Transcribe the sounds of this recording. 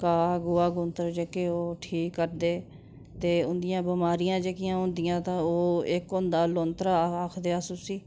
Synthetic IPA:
kaːɡʊaːɡʊnt̪əɾd͡ʒeːkeːoːʈʰiːkːəɾd̪eː | t̪eːʊnd̪ɪjãːbəmaːɾɪjãːd͡ʒeːkɪjãːʊ̃nd̪ɪjãːt̪ãːoːɪkʊ̃nd̪aːloːnt̪ɾaaːkʰd̪eːaːsʊsiː

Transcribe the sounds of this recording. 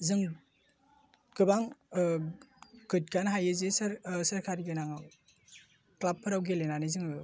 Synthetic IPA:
zɯŋ | ɡ̥ɯbaŋ | ɡɯt̚ɡanɦajɯzesɾsɐɾkʰaɾiɡenaŋɯ | klapʰɯɾawɡelenanizɯŋ

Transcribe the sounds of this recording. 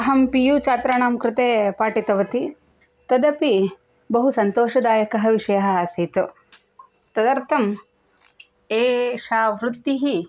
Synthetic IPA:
ɐɦɐmpijut͡ʃaːt̪ɾɐɳaːmkɾɪt̪eːpaːʈit̪ɐʋɐt̪i | t̪ɐd̪ɐpi | bɐɦusɐnt̪oːʃɐd̪aːjɐkɐɦɐʋiʂɐjɐɦɐaːsiːt̪u | t̪ɐd̪ɐɾt̪ʰɐm | eːʃaːʋɾut̪ːiɦi

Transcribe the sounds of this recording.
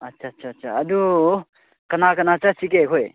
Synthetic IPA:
ɐtːt͡ʃʰatːt͡ʃʰaːtːt͡ʃʰaɐd̪u | kɐnakɐnat͡sasikekʰɦʰoj

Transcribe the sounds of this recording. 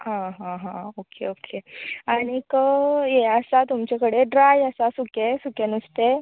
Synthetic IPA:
ɦãɦãɦãokʰḛokʰeañikəjeəsat̪umt͡ɕekəɽeɖɾajəsasukesukenust̪e

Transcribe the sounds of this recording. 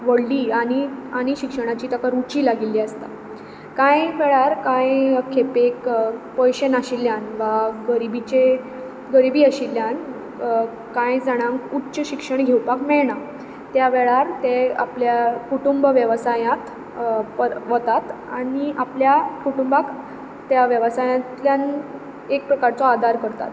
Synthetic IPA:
ʋəɽliːañiaɽ̃iɕikʂəɽ̃at͡ɕiːt̪əkaɾut͡ɕiːlaɡilːiːəst̪a̰ | kãjʋeɭaɾkãjkʰepekpəjɕenaɕilːjanʋaɡəɾibit͡ɕe | ɡəɾibiːəɕilːjan | kãjd͡zaɽ̃ãŋkutːɕəɕikʂəɳɡʱewpakmɛɭɳa | t̪jaʋɛɭaɾt̪ea̰pljakuʈumbəʋjəʋsajãt̪ | pəɾʋət̪at̪ | aɽiapljakuʈumbak | t̪jaʋjəʋsajãt̪ljan | ek̚pɾəkaɾt͡sɔad̪ʱaɾkəɾt̪a̰t̪

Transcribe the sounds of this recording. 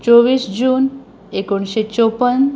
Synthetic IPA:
t͡ʃobisd͡ʑun | ekunʃet͡ɕopən

